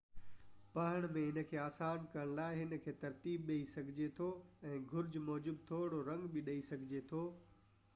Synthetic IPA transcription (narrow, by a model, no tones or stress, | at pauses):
pɐɦəɽ̃mẽɦɪnə̆kʰeːaːsaːnkɐɾəɽ̃laːɪɦɪnəkʰeːt̪ɐɾt̪iːbɗeisɐɡʱɪd͡ʑet̪ʰoɛ̃ːɡʱʊɾd͡ʑmɔːd͡ʑub̚t̪ʰoːɽoɾɐ̃ŋɡbɪɗɐisɐɡʱɪd͡ʑet̪ʰoː